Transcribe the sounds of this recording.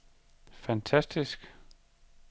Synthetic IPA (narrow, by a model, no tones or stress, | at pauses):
fænt͡sʰæsd̥isɡ̥